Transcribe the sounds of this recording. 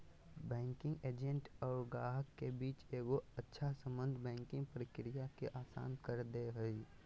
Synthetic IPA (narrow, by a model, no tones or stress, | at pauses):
bɛ̃ːŋkɪ̃ŋɡeːd͡ʒẽɳʈɔːɾɡaːɦəkːebiːt͡ʃeːɡoətːʃʰasə̃mbə̃nd̪ʱbɛ̃ːŋkɪ̃ŋɡpɾɪkɾɪjakeʔaːsa̰ːnkəɾd̪eɦʊi